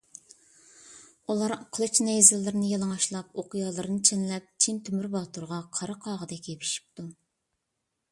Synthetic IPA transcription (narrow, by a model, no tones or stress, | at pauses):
ulˠɑɾqʰəlˠɨt͡ʃnɛjzɪlːɪɾɪnɪjɑlˠɨŋɑʃlˠɑpoqʰijɑːlˠɨɾɨnɨt͡ʃʰenlɛp̚t͡ʃʰint̪ʰymyɾbɑt̪ʰuɾʁɑqʰɑɾɑqʰɑːʁəd̪ɛkʲʰepʰi̥ʃi̥p̚t̪u